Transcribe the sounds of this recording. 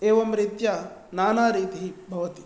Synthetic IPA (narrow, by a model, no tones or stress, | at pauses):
eːʋɐmɾɪt̪janaːnaːɾiːt̪iɦibʱɐʋɐt̪i